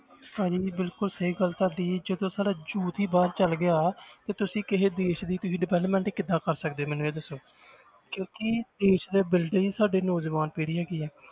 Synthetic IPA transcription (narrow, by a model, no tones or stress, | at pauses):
saːd͡ʒiːbɪlkʊlsəɦiːɡəlk̪aɾd̪iːd͡ʒəd̪õːsaːɖaːd͡ʒuːt̪ɦiːbaːɾt͡ʃəlɡɪaːt̪eːt̪ʊsĩːkɪɦeːd̪eːʃd̪iːt̪ʊsĩːɖɪʋɛːlpmɛ̃ːɳʈiːkɪd̪aːkəɾsəkd̪eːmɛnʋeːd̪əsːõː | kjõːkɪd̪eːʃd̪eːbɪlɖəiːsaːɖeːnoːzʋaːnpiːɽiːɦɛːɡiːɛː